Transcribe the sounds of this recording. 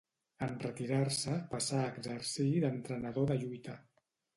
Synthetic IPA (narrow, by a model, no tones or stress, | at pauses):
ənrət̪iɾarsəpasaəːɡzərsiðənt̪ɾənəðoðəʎujt̪ə